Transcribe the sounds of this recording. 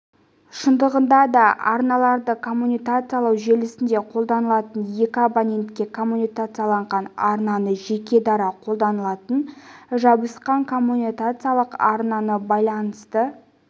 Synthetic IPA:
ʃənd̪əʁənd̪ɑd̪ɑɑ̰ɾnɑlˠɑɾd̪əkʰo̞mːunijkat̪sɨjalˠɑwʒe̞lɪsɪnd̪e̞qʰolˠd̪ɑnəlˠɑt̪ənje̞kʲɪabanʲe̞nt̪kʲe̞kʰo̞mːunijkat̪sɨjalˠɑɴʁɑnɑɾnɑnəʒe̞kʲe̞d̪ɑɾɑqʰo̞lˠd̪ɑnəlˠɑt̪ənʒɑbəsqɑŋkʰo̞mːunʲikat̪sɨjalˠəqɑɾnɑnəbɑjlˠɑnəst̪ə

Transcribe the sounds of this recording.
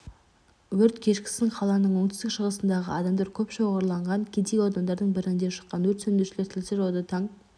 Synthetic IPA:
wɵɾt̪kʲʰe̞ʃkʲɪ̥sɪŋqʰɑlˠɑnəɴwo̞ɴt̪ʏst̪ɪkʃəʁəsənd̪ɑʁə̰ɑd̪ɑmd̪ɑɾkʲʰɵpʃoʁɑɾlˠɑɴʁɑŋkʲʰed̪ejwod̪ɑnd̪ɑɾd̪əɴbɪɾɪnd̪eʃə̥qːɑnwɵɾt̪sɵnd̪eʃleɾt̪ʰɪlseɾwod̪ɑt̪ʰɑɴ

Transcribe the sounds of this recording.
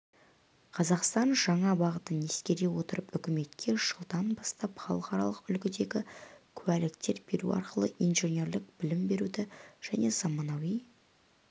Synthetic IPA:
qʰɑzɑqst̪ɑnʒɑɴɑbɑʁət̪əneskʲe̞ɾewo̞t̪əɾəpʏkʲɪme̞t̪kʲʰe̞ʒ̥əlˠd̪ɑnbɑst̪ɑpχɑ̰lˠəqɑɾɑ̰lˠəqʏlkʲɪd̪e̞ɡʲɪkʲʰʉælɪkt̪e̞ɾbe̞ɾuɑ̰ɾqəlˠəʔijnʒe̞nʲe̞ɾlɪkb̥ɪlɪmbe̞ɾud̪ɪʒ̥æne̞zɑmɑnɑwij

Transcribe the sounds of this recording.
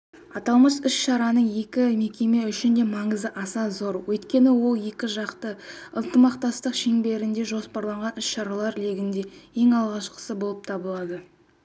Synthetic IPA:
ɑt̪ɑlˠməsʏʃʃɑɾɑnəɴje̞kʲɪme̞kʲe̞me̞ʏʃɪnd̪e̞mɑɴəzəʔɑsɑzo̞ɾwɵjt̪kʲe̞nɪwo̞lˠje̞kʲɪʒɑqt̪əənt̪əmɑqt̪ɑst̪əqʃeŋbe̞ɾɪnd̪e̞ʒo̞spɑɾlˠɑɴʁɑnʏʃʃɑɾɑlˠɑɾle̞ɡʲɪnd̪e̞je̞ŋɑlˠʁɑʃqə̥səbo̞lˠəp̚t̪ʰɑbəlˠɑd̪ə

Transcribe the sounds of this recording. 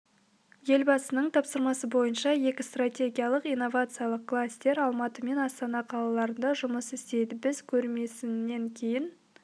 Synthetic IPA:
je̞lbɑsənəɴt̪ʰɑpsəɾmɑsəbo̞jənʃɑje̞kʲɪst̪ratʲe̞ɡʲijalˠəqijno̞vat̪sɨjɑlˠəq̚kʰlˠasʲt̪e̞ɾɑlˠmɑt̪əme̞nɑst̪ɑnɑqʰɑlˠɑlˠɑɾənd̪ɑʒʊməsɪst̪e̞jd̪ɪbɪzkʲʰɵɾme̞sɪnːe̞ŋkʲʰe̞jɪn

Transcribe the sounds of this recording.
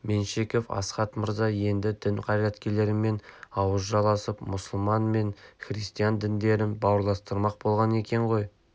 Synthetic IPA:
me̞nʃe̞kʲo̞fɑ̰sqɑt̪məɾzɑje̞nd̪ɪd̪ɪnqʰɑɾjɑt̪kʲe̞le̞ɾɪmːe̞nɑwəzʒɑlˠʁɑsəpmʊsəlˠmɑnme̞ŋχɾist̪ijand̪ɪnd̪e̞ɾɪnbɑwəɾlˠɑst̪əɾmɑq̚bo̞lˠʁɑne̞kʲe̞ɴʁo̞j

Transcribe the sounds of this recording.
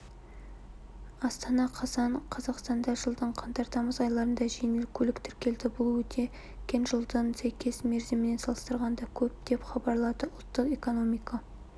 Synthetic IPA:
ɑst̪ɑnɑqʰɑsɑɴqʰɑzɑqst̪ɑnd̪ɑʒəlˠd̪əɴqʰɑnt̪ɑɾt̪ɑməzɑjlˠɑɾənd̪ɑʒejnelkʲʰɵlɪkt̪ʰɪɾkʲe̞ld̪ɪbʊlˠwɵt̪ʰe̞ | kʲːe̞nʒəlˠd̪əɴsæjkʲe̞sme̞ɾzemɪne̞nsɑlˠəst̪əɾʁɑnd̪ɑkʲʰɵp̚d̪̥e̞pχɑbɑɾlˠɑt̪əʊlˠt̪ːəqe̞ko̞no̞mijkɑ

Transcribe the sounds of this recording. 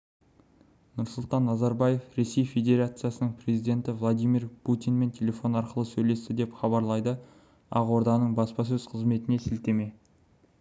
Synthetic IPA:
nʊɾsʊlˠt̪ɑnːɑzɑɾbaje̞fɾe̞se̞jfe̞d̪ʲe̞ɾat̪sɨjasənəɴpre̞zijd̪ʲe̞nt̪ɪvlˠad̪ijmirpʰut̪ijnme̞nt̪ʲʰe̞lʲe̞fo̞nɑɾqəlˠəsɵjle̞st̪ɪd̪e̞pχɑbɑɾlˠɑjd̪ə | ɑ̰ʁwo̞ɾd̪ɑnəɴbɑspɑs̬ɵzqʰəzme̞t̪ɪne̞sɪlt̪e̞me̞

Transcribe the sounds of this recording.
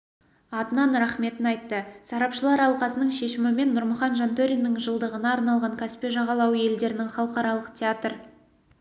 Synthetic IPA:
ɑt̪ənɑnɾɑχme̞t̪ɪnɑjt̪ːəsɑɾɑpʃəlˠɑɾɑlˠqɑsənəɴʃe̞ʃɪmɪme̞nːʊɾmʊχɑnʒɑnt̪oɾʲinːɪŋʒəlˠd̪əʁənɑːɾnɑlˠʁɑŋkʲʰæspe̞ʒɑʁɑlˠɑwje̞ld̪e̞ɾɪnɪŋχɑlˠəqɑɾɑlˠəqtʲʰeat̪rə

